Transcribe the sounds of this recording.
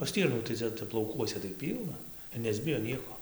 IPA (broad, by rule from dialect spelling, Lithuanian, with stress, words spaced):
oː ˈsʲtʲiːrnuː tɐɪ ˈt͡sʲɛ ˈtʲɛp lˠɐʊˈkuɔsʲɛ tɐɪ ˈpʲiːlˠnɐ ɪr nʲɛzʲˈbʲɪjoː ˈnʲiɛkoː